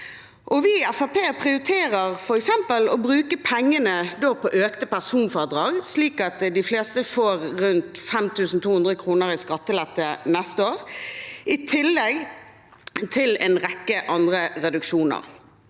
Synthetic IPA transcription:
ʔɔʋɪæfɑpeːpʰʁɪʊɾɪt̪ʰeːɾəʁfɔɾɛksɛmpəlɔbɾʉːkəpʰɛŋːənəd̪oːpʰɔʔøːkt̪əpæʁsuːnfɔʁd̪ɾɑːɡsliːkɑt̪d̪ɪfleːst̪əfoːʁʁʉnt̪fɛmt̪ʰʉːsn̩t̪uːhʉnd̪ʁəkʰɾuːnəʁɪskɑt̪ːəlɛt̪ːənɛst̪əoːʁʔɪt̪ʰɪlːɛɡ | t̪ʰɪlɛːnʁɛkːəʔɑnd̪ʁəʁɛd̪ʉkʃuːnə̰ʁ

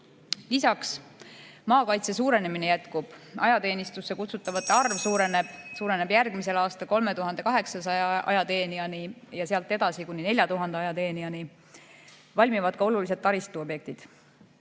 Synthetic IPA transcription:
lisɑks | mɑːkɑjt̪se̞s̬uːɾe̞ne̞minejæt̪kub̥ɑ̰jɑt̪e̞ːnist̪usːe̞kut̪sut̪ːˑɑvɑt̪ːˑeɑrvsuːɾe̞ne̞b̥suːɾe̞ne̞bjærɡ̥mise̞lɑːst̪ɑlko̞lme̞t̪uɦɑnd̪̥e̞kɑɦe̞ksɑsɑjɑʔɑ̰jɑt̪e̞ːniɑnijɑseɑlt̪ːˑe̞d̪̥ɑsikunʲːine̞lʲjɑt̪uɦɑnd̪eɑjɑt̪e̞ːniɑni | vɑlʲmivɑd̪̥kɑo̞lulis̬ed̪̚ːɑɾist̪uobje̞k̚t̪id̪̥

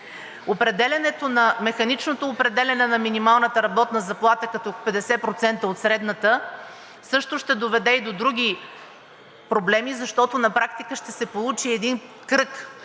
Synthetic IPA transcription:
opɾɛd̪ɛlʲɐnɛt̪onɐmɛxɐnit͡ʃnot̪oːpɾɛd̪ɛlʲɐnɛnɐminimalˠnət̪əɾɐbɔt̪nəzɐplˠat̪əkɐt̪ɔpɛd̪ɛsɛpɾot̪sɛnt̪əot̪sɾɛd̪nət̪ə | sɤʃt̪ʊʃt̪ɛd̪ovɛd̪ɛid̪od̪ɾuɡ̟ʲi | pɾoblɛmizɐʃt̪ɔt̪onɐpɾakt̪ikəʃt̪ɛsɛpolˠut͡ʃiɛd̪in | kɾɤk

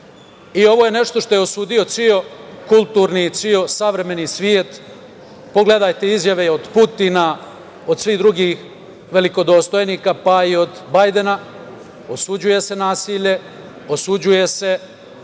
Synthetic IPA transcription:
io̞ʋo̞ːjene̞ʃt̪o̞ʃt̪o̞jeo̞suːd̪ijo̞t̪sio̞kulˠt̪uːɾnit̪sio̞saʋɾe̞me̞nisʋjiet̪ | po̞ɡle̞d̪ajt̪eizjaʋeod̪put̪ina | o̞d̪sʋiːd̪ɾuɡix | ʋe̞liko̞d̪o̞st̪o̞jniːkapaio̞d̪bajd̪e̞na | osud͡ʑuje̞se̞naːsiːʎe̞ | osud͡ʑuje̞se

